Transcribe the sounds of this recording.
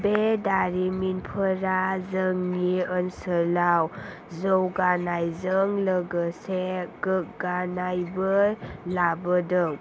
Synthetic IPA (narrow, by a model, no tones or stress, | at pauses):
bedaɾiminpʰəɾazəŋniənsəlaw | zəwɡanajzəŋləɡəseɡək̚ɡanajbəlabədəŋ